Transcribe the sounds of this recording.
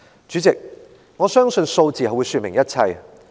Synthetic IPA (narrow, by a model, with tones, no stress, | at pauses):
t͡ʃy˨˥t͡sɪ˨k̚ | ŋɔː˨˧sœː˥ŋsɵ˧nso˧wt͡siː˨hɐ˨wu˨˧jsyː˧t̚mɪ˨˩ŋjɐ˥t̚t͡sʰɐ˧j